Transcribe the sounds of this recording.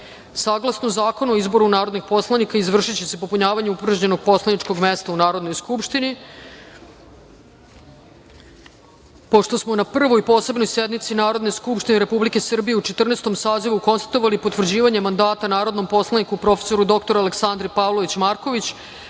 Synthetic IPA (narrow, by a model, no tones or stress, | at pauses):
saɡlˠasnozaːko̞nuoizbo̞ɾunaːɾo̞d̪nixpo̞slˠanikaizʋr̩ʂit͡ɕese̞po̞puɲaːʋaɲeupr̩ʒɲeno̞ɡ̚po̞slˠaniʈ͡ʂko̞ɡmest̪aunaːɾo̞d̪no̞jskupʂt̪ini | po̞ʂt̪o̞smo̞napr̩ʋoipo̞ːse̞bnojsjed̪mit̪sinaːɾo̞d̪ne̞skupʂt̪ineɾepublike̞sr̩bijeut͡ʃe̞t̪r̩nest̪o̞msaːziʋuko̞nst̪ḁt̪o̞ʋalipot̪ʋr̩d͡ʑiːʋaɲe̞mand̪aːt̪anaːɾod̪nompo̞slˠanikupɾo̞fe̥so̞ɾud̪o̞kt̪o̞ɾaleksand̪ɾipavloʋit͡ɕmaɾko̞ʋit͡ɕ